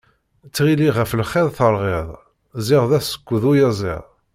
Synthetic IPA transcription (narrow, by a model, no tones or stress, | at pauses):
t͡sːʁiliʁəflχeðˤθəɾˤʁɪðˤ | zɪʁðæsə̥kʷːðujæzˤɪ̰ʁ